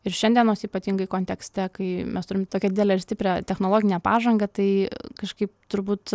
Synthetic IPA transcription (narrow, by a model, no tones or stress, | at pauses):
ɪɾʃʲɛnʲd̪ʲiɛnoːsiːpɐt̪ʲiŋɡɐɪkoːnʲt̪ʲɛksʲt̪ʲɛkɐɪmʲɛst̪ʊɾʲɪmt̪oːkʲɛd̪ʲɪd̪ʲɛlʲɛɪɾsʲt̪ʲɪpʲɾʲɛt̪ʲɛxnoːlˠoːɡʲɪnʲɛpɑːʒɐŋɡɐt̪ɐɪkɐʃkɐɪp̚t̪ʊɾbuːt̪